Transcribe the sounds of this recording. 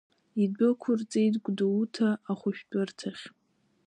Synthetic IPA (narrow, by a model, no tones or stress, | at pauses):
ibɨkʷʰʊrt͡sʼejtɡʷdautʰaːχʷʊʃᶣt͡pʼʊrtʰaχʲ